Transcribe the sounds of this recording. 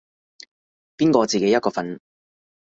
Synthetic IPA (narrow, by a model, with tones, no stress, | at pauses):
piː˥nkɔː˧t͡siː˨ke˨˥jɐ˥kɔː˧fɐ˨˥n